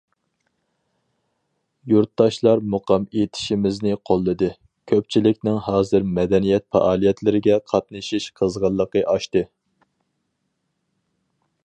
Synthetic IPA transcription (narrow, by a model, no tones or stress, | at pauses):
juɾt̪̚dɑʃlˠɑɾmuqʰɑmet̪ʰɪ̥ʃimɪznɪqʰolˠːɨd̪ɨ | kʲʰøp̚t͡ʃʰilɪkʲnɪŋhɑːzɨɾmɛd̪ɛnijɛt̪̚fɑ̰ʔɑːlˠijɛt̪ʰlɪɾɪɡʲɛqʰɑt̪̚nɨʃiʃqʰəzʁɑlˠːəqəʔɑʃt̪ɨ